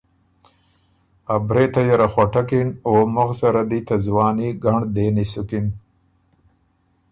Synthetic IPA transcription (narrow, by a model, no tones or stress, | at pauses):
abɾet̪ajaɾaxwaʈakinoːmʊɣsaɾad̪it̪azwɑːniɡaɳd̪eːnisukin